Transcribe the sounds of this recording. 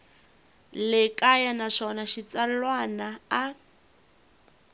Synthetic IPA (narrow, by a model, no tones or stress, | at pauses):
lɛkʼajanaʂɔnaʃit͡salwanaː